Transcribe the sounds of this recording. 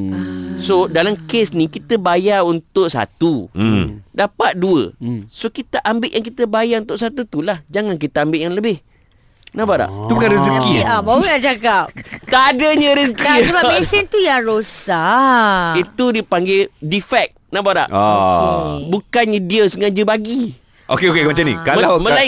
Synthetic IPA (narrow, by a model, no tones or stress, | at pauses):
sodalamkesnikit̪əbajaunt̪ʊʔsa̰t̪u | dapat̪̚duə̰sokit̪əʔambɪʔjaŋkit̪əbajaunt̪ʊʔsat̪ut̪ulahd͡ʒaŋank̬it̪əambɪʔjaŋləbɪh | nabaɾa̰ʔt̪ubukanɾisiakiiabauat͡ʃakap̚t̪adəɲə̃ɾis̬ikiəbabɛsɛnt̪ujaŋɾosa | it̪udipaŋɡedifɛk̚nabaɾa̰ʔo | bukanɲə̃diəsəŋad͡ʒəbaɡi | ʔo̰keokekmat͡ʃamnḭ̃kaməlawmə̃la